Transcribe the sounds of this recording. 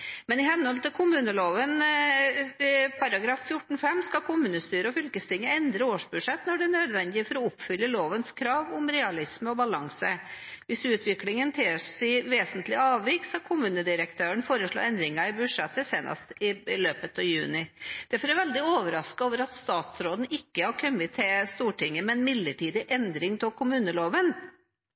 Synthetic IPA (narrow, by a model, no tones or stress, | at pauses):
mɛnɪhɛnːhɔlt̪ɪlkʰʊmʉːnəloːʋən | pʰɑɾɑɡɾɑːfːjʊʈːɳ̩fɛmːskɑkʰʊmʉːnəst̪yːɾəɔfʏlkəst̪ɪŋːəɛnd̪ɾəoːʂbʉ̥ʂɛt̪ːnɔɖɛnœd̪ʋɛnd̪ɪfɔɾɔʊpːfʏlːəloːʋənskʰɾɑːʋʊmɾɛɑlɪsməɔbɑlɑŋsəʋɪsʉːt̪ʰʋɪklɪŋənt̪ʰeːʂɪʋeːsənt̪lɪɑːʋʋɪksɑkʰʊmʉːnəd̪ɪɾəkt̪ʰøːəɳfoːɾəʂɭo̰ːɛnd̪ɾɪŋɑɪbʉʂɛt̪ːəseːnʔɑ̰st̪ɪløːpət̪ɑːʋjʉːnɪd̪̥æɾfɔɾæɾʋɛld̪ɪoːʋəɾɑskɑoːʋəɾɑt̪st̪ɑːt̪sɾoːd̪n̩ɪkːəhɑɾkʰœmɪt̪ʰeːst̪uːʈɪŋːəmɛnmɪd̪ləʈiːd̪ɪʔɛnd̪ɾɪŋt̪ʰɪkʰʊmʉːnəloːʋən